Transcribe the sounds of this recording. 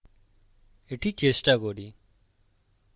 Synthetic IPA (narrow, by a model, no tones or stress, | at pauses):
eːʈʰiːt͡ʃeːsʈaːɡoːɖiː